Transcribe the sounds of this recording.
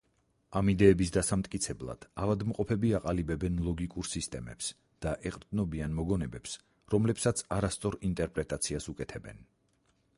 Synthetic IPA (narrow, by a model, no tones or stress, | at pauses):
amid̪ɛːbisd̪asamt̪ʼkʼit̪sʰɛblˠa̰d̪̥avad̪mqʼɔpʰɛbiaqʼalibɛbɛnlˠɔɡikʼuɾsist̪ʼɛmɛ̰ps | d̪̥aʔɛqʼɾd̪nɔbianmɔɡɔnɛbɛps | ɾɔmlɛpsat̪sʰaɾast̪sʼɔɾint̪ʼɛɾpʼɾɛt̪ʼat̪sʰiasukʼɛt̪ʰɛbɛ̰n